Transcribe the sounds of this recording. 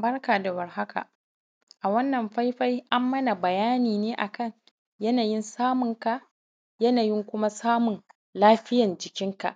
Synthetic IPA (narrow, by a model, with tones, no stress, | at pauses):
bɐ˦rkaː˨da˨wɐ˨rɦa˦ka̰˨ʔ | ʔa˨wɐ˦nːɐ˨mɸa˦jɸa˦jʔa˦mːɐ˦na˨bɐ˨jaː˦niː˨neː˦ʔa˨kɐ˦˨ŋ | jɐ˦naː˨jɪ˦nsaː˦mʊ˨ŋka˨ʔ | jɐ˦naː˨jɪ˦ŋkʷʊ˦ma˦saː˦mʊ˨n | laː˦ɸɪ˦jɐ˨nd͡ʒɪ˨kʲɪ˦ŋka̰˨ʔ